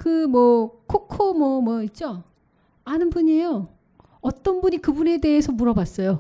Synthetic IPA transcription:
kɯmwʌkʰokʰomwʌmwʌit͡ɕ͈o | anɯnbuɲejo | ʌt͈ʌnbuɲikɯbune̞de̞ːsʰʌmuɾʌbas͈ʌjo

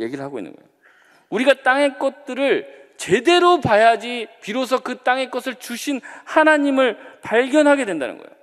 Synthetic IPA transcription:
je̞ɡiɾɯɭɦaɡoḭnːɯ̰nɡʌjo | uɾiɡat͈aŋe̞k͈ʌt̚t͈ɯɾɯɭt͡ɕe̞de̞ɾopajad͡ʑipiɾos̬ʰʌkɯt͈aŋe̞k͈ʌsʰɯɭt͡ɕuɕʰinhanaɲimɯɭpaɭɡjʌnɦaɡe̞dwenda̰nɯ̰nɡʌj̰o

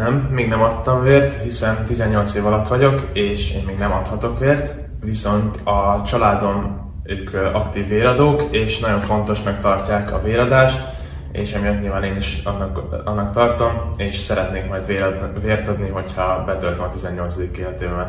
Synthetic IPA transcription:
nɛmːeːɡnɛmɒt̪ːɒɱveːrt̪hisɛnt̪izɛɲːo̞lt̪seːvɒlɒt̪ːʋɒɟo̞keːʃḛːmmeːɡnɛmɒt̪hɒt̪o̞kʋeːrt̪ | ʋiso̞nt̪ɒt͡ʃɒlaːd̪o̞n | øːkɒkt̪iːvːeːlɒd̪oːkeːʃnɒɟo̞ɱfo̞nt̪o̞ʃmɛkt̪ɒrcaːkɒ̰veːɾɒd̪aːʃt̪ | eːʃɒmijɒt̪ɲiːlvaːneːniʃɒnːkɒnːɒkt̪ɒrt̪o̞meːʃsɛɾɛt̪neːkmɒjd̪ʋeveːrt̪ɒd̪niɦo̞chɒbɛt̪ølt̪ømɒt̪izɛɲːo̞lt̪sɒd̪ikːeːlɛt̪eːbɛ

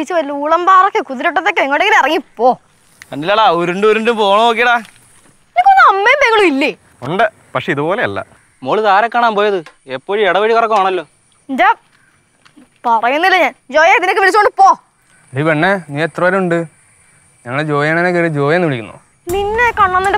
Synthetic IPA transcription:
it͡ɕːɨʋɐliuːɭɐmbaːrokːekuðiɾuʈ̬ːɐt̪ːekːeeŋːɐɭɽekːinːirɐŋːipːoː | mɐnːilaːɭeoɾuɳɖɨoɾuɳɖumpoːɳɐmoːk̬ːijɽa | enikʲːonːɐmːeːmbeŋːɐɭumilːe | oɳɖɨ | pɐkʂe̞iðubo̞ːleɐlːɐ̰ | moːɭit̪aːɾɐkːaːɳaːmpo̞ːjɐðɨepːoːɻieɽɐʋɐɻikorɐkːumaːɳɐlːo̞ː | inde | pɐrɐjunːilːɐɲaːnd͡ʑo̞ːjat̪inekːɨʋelit͡ɕːkoɳɖupːoː | dipeɳːeniːet̪ːrɐʋɐɾuɳɖɨ | ɲɐŋːɐɭed͡ʑo̞ːjaːnaːnekːeɨd͡ʑo̞ːjɐnːiʋiɭikʲːunːo̰ | ninːekɐɳːɐnːinde

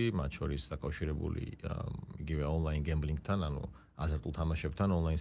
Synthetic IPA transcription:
imat̪ʰʃʰɔɾisd̪akʼafʃiɾɛbṵlḭ | iɡivɛɔnlˠainɡɛmbliŋɡt̪ʰananṵ | azɾt̪ʼulˠt̪ʰamaʃɛb̚t̪ʰanɔnlˠain

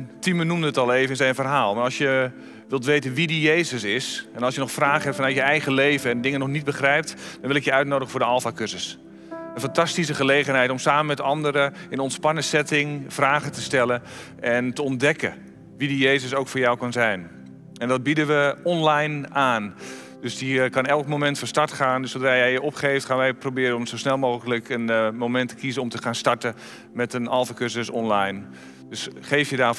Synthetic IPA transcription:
timənumdəətɑlˠeːvənsɛjnfərɦaːlˠmaɾɑlˠsjə | ʋɪlˠtʋejtənʋidijejzəsɪsɛnɑlˠsjənɔχxfraːχəɦɛp̚tfɑnœɥjəɛjɣəlejvənɛndɪŋənɔxnit̚bəχrɛjp̚td̥ɔnʋɪlɪkjəœɥt̚nowdəɣəfʊːɹdəɑlˠfaːkørzəs | ənfɑntɑstis̬əχəlejɣənɦɛjtɔmsaːməmɛtɑndəɾəɪnɔntspɑnəsɛtɪŋfraːɣətəstɛlən | ʔɛntəɔndɛkə̰ | ʋidijejzəsowkfʊːɹjawkɑnzɛjn | ɛndɔd̚bidəʋəɔnlajnaːn | d̥øsdikɑnɛlˠkmomɛntfɔnstɑɹtχaːndøsodraːjɛjjəʔɔpχejftχaːnʋɛjprobɪːɾənɔmsosnɛlˠmowɣələkənmowmɛntə̥kizənɔmtəχaːnstɑɹtə | mɛtənɑlˠfəkøsəsɔnlajn | d̥øsχejfjədaː

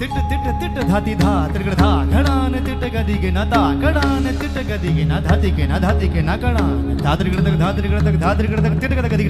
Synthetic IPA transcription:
t̪iʈːɐt̪iʈːɐt̪iʈːɐd̪ʱat̪id̪ʱaːt̪ɾiɡɐɽd̪ʱaɡ̪ʱɐɽaːnet̪iʈːɐɡɐd̪iɡenat̪aːkɐɽaːnet̪iʈːɐkɐd̪iɡenad̪ʱat̪ikenad̪ʱat̪ikenakɐɽaː | d̪ʱaːt̪ɾiɡɐɽd̪ɐkd̪ʱaːt̪ɾiɡɐɽt̪ɐkd̪ʱat̪ɾɡɐɽɐt̪iʈɐkɐd̪ɐɡɐd̪iɡ

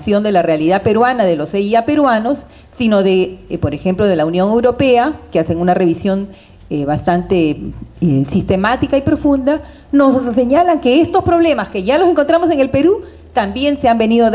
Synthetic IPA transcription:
sjo̞nd̪e̞larealiðape̞ɾwanaðe̞lo̞seiape̞ɾwano̞sː | ino̞ðepo̞ɾexe̞mplo̞ð̞e̞launjo̞ŋe̞wɾo̞pe̞akease̞ŋunare̞βisjo̞n | eβast̪ant̪e̞ | sist̪e̞mat̪ikaipɾo̞fund̪a | nosːe̞ɲalaŋke̞est̪o̞spɾo̞β̞le̞maske̞ʝalos̬e̞ŋkont̪ɾamo̞s̬e̞ŋe̞lpe̞ɾu | t̪ambje̞nseambe̞niðo

